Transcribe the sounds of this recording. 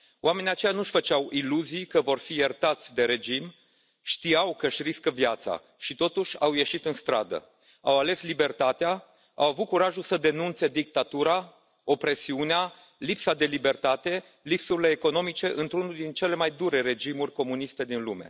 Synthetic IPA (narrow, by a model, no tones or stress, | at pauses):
oame̞nijat͡ʃejanuʃʲfət͡ʃawʔiluzijkəvo̞rfijert̪at̪sʲd̪e̞ɾe̞d͡ʒim | ʃt̪iawkəʃʲriskəvjat̪sa̰ | ʃit̪o̞t̪uʃʲawje̞ʃit̪ɨnst̪ɾa̰d̪ə̰ | a̰wale̞slibe̞rt̪at̪ea | a̰wavut̪̚kuɾaʒusəd̪e̞nunt̪se̞d̪ik̚t̪at̪uɾa | o̞pɾe̞siunea | lipsad̪e̞libe̞rt̪at̪e̞ | lipsuɾile̞ːko̞no̞mit͡ʃe̞ʔɨnt̪ɾunuld̪int͡ʃe̞le̞majd̪uɾe̞ɾe̞d͡ʒimurʲko̞mun̪ist̪e̞d̪inlume̞̰